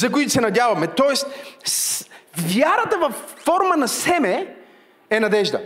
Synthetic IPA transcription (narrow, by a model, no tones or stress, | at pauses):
zɐkʊit̪ʊsɛnɐdʲavɐmɛt̪ɔɛst̪svjaɾət̪əvɐfːɔɾmənɐsɛmɛ | ɛnɐd̪ɛʒd̪ə̰